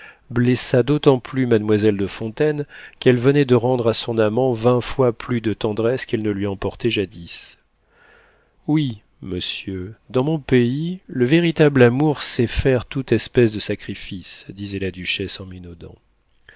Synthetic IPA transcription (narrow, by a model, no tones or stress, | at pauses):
blɛsad̪ot̪ɑ̃plymad̪mwazɛld̪əfɔ̃t̪ɛnkɛlvənɛd̪əʁɑ̃d̪ʁasɔ̃namɑ̃vɛ̃fwaplyd̪ət̪ɑ̃d̪ʁɛskɛlnəlɥiɑ̃pɔʁt̪ɛʒad̪is | wi | məsjød̪ɑ̃mɔ̃peiləveʁit̪ablamuʁsɛfɛʁt̪ut̪ɛspɛsd̪əsakχifisd̪izɛlad̪yʃɛsɑ̃minɔd̪ɑ̰̃